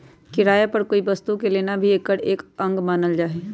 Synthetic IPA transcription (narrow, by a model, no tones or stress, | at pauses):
kɪɾaːjapɐɾkoːibɐst̪ukeleːnabʱieːkːəɽeːkə̃ŋɡmaːnəld͡ʒaːɦeː